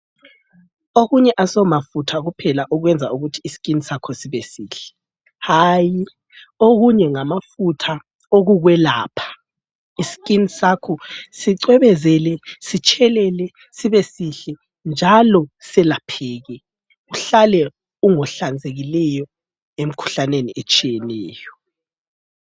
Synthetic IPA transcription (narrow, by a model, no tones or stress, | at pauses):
oɣuɲɛʔasɔmafutʰaɣupʰɛlaʔɔɣwɛnd͡zʱauɣutʰiːsi̥kʼinisakʰɔsiβɛsiːɬɛ̥ | haji | oɣuɲɛŋamafutʰa | oɣuɣwɛlaːpʰḁ | isi̥kʼinisakʰɔsiǀwɛβɛzɛlɛsit͡ʃʼʰɛlɛlɛ | siβesiɬɛ | nd͡ʒʱalɔsɛlapʰɛːɣɛ | uɬalɛ | uŋɔɬand͡zʱeɣilɛjɔ | em̩kʰu̥ɬaneniʔet͡ʃʼijɛnɛːjɔ